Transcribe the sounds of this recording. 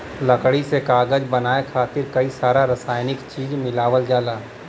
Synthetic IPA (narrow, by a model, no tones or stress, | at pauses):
lɐkɽisekaːɡəd͡ʒbɐnaːekʰaːt̪ɪɾkɐisaːɾaɾɐsaːjnɪkt͡ʃiːd͡ʒmɪlaːʋəld͡ʒaːlaː